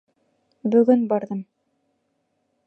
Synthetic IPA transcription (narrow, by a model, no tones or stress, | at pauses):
bɵ̆ɡɵnbɑɾðɤm